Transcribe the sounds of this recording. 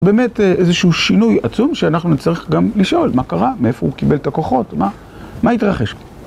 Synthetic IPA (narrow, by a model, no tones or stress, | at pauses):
be̞ːme̞tʔe̞zeʃuuʃinujat͡sumʃeanaχnut͡saʁiχɡamliʃʔo̞lmakaʁamee̞fo̞̰ukibe̞ltako̞χo̞tma | mait̪ʁaχe̞ʃ